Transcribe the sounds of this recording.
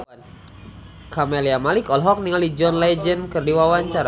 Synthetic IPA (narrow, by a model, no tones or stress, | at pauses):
kameliamalikɔlɦɔk̚niŋalid͡ʒɔnlɛd͡ʒənkərdiwawaɲt͡ʃaɾa